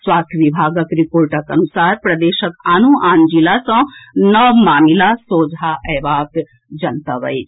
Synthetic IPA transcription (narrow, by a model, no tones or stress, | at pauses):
swaːst̪ʰʋibʱaːɡəkɾipoːɾʈəkɐnusaːɾpɾɐd̪eːʃəkaːnuʔaːnd͡ʒilasɐ̃nəʋmaːmilasoːd͡ʒʱaʔɛʋaːt̪ | d͡ʒɐnt̪aʋɐ̰jt͡ʃ